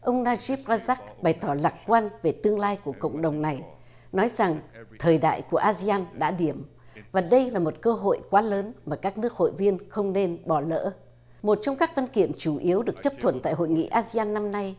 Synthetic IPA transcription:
ʔə˧wŋ͡mnaː˧zi˦˥p̚zaː˧zaː˦˥k̚ɓa˨˩jt̪ɔ˧˩la˨˩k̚kwaː˧nve˨˩t̪ɨ˧əŋlaː˧jku˧˩əkə̰˧˨wŋ͡mɗə˨˩wŋ͡mna˨˩j | nɔ˨˦jza˨˩ŋt̪ʰəː˨˩jɗa̰ː˧˨jku˧˩əʔaː˧zi˧aː˧nɗa̰ː˧˥ɗi˧˩əm | vaː˨˩ɗə˧jlaː˨˩mo˨˩t̚kəː˧ɦo̰˧˨jkwaː˨˦ləː˨˦nmaː˨˩kaː˦˥k̚nɨ˦˥ək̚ho̰˧˨jvi˧ənxə˧wŋ͡mne˧nɓɔ˨˩lə̰ː˧˥ | mo˨˩t̚t͡ɕɔ˧wŋ͡mkaː˦˥k̚va˧nkḭ˧˨əmt͡ɕu˧˩ʔi˨˦əwɗɨ˨˩ək̚t͡ɕə˦˥p̚t̪ʰwə˧˩nt̪a̰ː˧˨jhɦo̰˧˨jŋḭ˧˥˨ʔaː˧zi˧aː˧nːa˧mna˧j

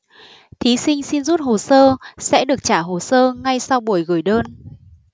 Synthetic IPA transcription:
t̪ʰi˨˦sï˧ŋ̟si˧nzu˦˥t̚ho˨˩səː˧sɛ̰˧˥ɗɨ˨˩ək̚t͡ɕaː˧˩ɦo˨˩səː˧ŋa˧jsa˧wɓu˨˩əjɣɨ˨˩jɗəː˧n

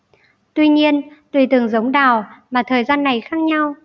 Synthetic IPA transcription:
t̪wi˧ɲi˧ənt̪wi˧˩t̪ɨ˨˧˩əŋzə˨˦wŋ͡mɗaː˨˩wmaː˨˩t̪ʰəː˨˩jzaː˧nːa˨˩jxaː˦˥k̚ɲa˧w

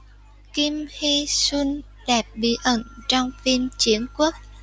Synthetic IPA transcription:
ki˧mhi˧swi˧n | ɗɛ˨˩p̚ɓḭ˧˩ʔə˧˩nt͡ɕɔ˧wŋ͡mfi˧mt͡ɕi˧˨˦ənku˦˥ək̚

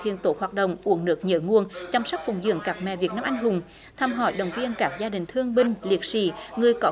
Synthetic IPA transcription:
ḭ˧˨ənt̪o˧˦hwaː˨˩t̚ɗə̰˧˨wŋ͡mʔu˧˩əŋnɨ˨˦˥ək̚ɲə̰ː˧˦ŋu˧˩ənt͡ɕɔ˧wŋ͡msa˦˥k̟̚fʊ˨˩ŋ͡mzɨ̰˧˨əŋkaː˦˥k̚mɛ̰˧˨vi˨˩ək̚na˧mʔa˧jŋ̟ɦʊ˨˩ŋ͡m | t̪ʰaː˧mɦɔ̰˧˩jɗə˨˩wŋ͡mvi˧ənkaː˦˥k̚zaː˧ɗï˨˩ŋ̟t̪ʰɨ˧əŋɓï˧ŋ̟li˨˩ək̚sḭ˧˩˥ŋɨ˨˩əjkɔ˨˦

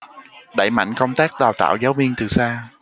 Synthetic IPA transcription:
ɗa̰˧˩jma̰˧˨jŋ̟kə˧wŋ͡mt̪aː˦˥k̚ɗaː˨˩wt̪a̰ː˧˨wzaː˨˦wvi˧əŋt̪ɨ˨˩saː˧

